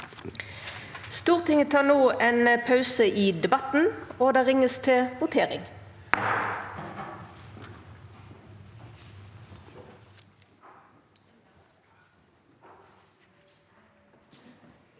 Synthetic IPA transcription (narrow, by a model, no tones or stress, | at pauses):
st̪uːʁt̪ʰɪŋət̪ʰɑːnoːʔeːnəpʰɑʉsəʔiːd̪ɛbɑt̪n̩oːd̪eːʁɪŋəst̪ʰɪʋʊt̪ʰeːʁɪ̰ŋ